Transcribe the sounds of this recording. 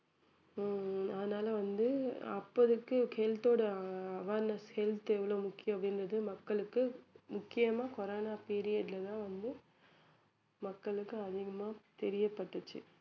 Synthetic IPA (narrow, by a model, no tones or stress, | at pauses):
ɐðɐnaːlɐʋɐnd̪ɯɐpːɐðɯkːɯkeːlt̪oːɽɐɐʋaːɾnɐshɛlt̪ɛʋːɐɭoːmʊkːɪjɐ̃ɐpɽɪndrɐðɯmɐkːɐɭɯkːɯmʊkːɪjɐmaːkɔɾaːnaːpeːɾɪjɐʈlɐt̪ãːʋɐnd̪ɯ | mɐkːɐɭɯkːɯɐðɪɣɐmaːt̪ɛɾɪjɐpːɐʈːɯt͡ʃːɯ̰